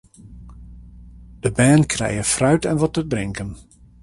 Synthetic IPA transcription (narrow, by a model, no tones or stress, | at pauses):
d̥əbɛːnkʰrɛ̰jəfrœɥtɛnʋɔtəbrɪŋkən